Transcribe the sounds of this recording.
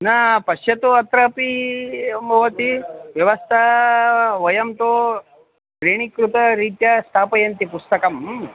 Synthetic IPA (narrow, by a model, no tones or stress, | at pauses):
nɐpɐʃjɐt̪uɐt̪ɾɐpi | mʱɐʋɐt̪iʋjɐʋɐst̪ʰɐ | ʋɐjɐmt̪o | kɾeːɳ̃ikɾut̪ɐɾiːt̪jɐst̪ʰaːpɐjɐnt̪ipust̪ɐkɐm